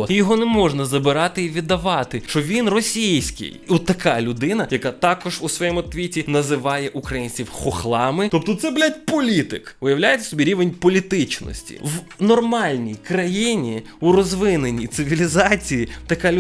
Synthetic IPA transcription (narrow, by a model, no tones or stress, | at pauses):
jɔɦɔnɛmɔʒnɐzɐbɪɾɑt̪ɪiʋʲid̪ːɐʋɑt̪ɪt͡ʃɔʋʲinrɔsʲijsʲkɪ̰jɔt̪ːɐkɑlʲʊd̪ɪnɐjɐkat̪ɑkɔʒusʋɔjɛmʊt̪ʋʲitʲinɐzɪʋɑjɛʔukɾɐjinʲt͡sʲiwxɔxlˠɑmɪt̪ɔp̚t̪ɔt̪sɛblʲatʲpɔlʲit̪ɪkʋɪjɐwlʲajet͡sʲɐ̥sɔbʲiɾʲiʋenʲpɔlʲit̪ɪt͡ʃnɔ̰sʲtʲḭwnɔrmɑlʲnʲijkɾɐjinʲi | urɔzʋɪnenʲːit̪sɪʋʲilʲizɑt͡sʲijit̪ɐkalʲ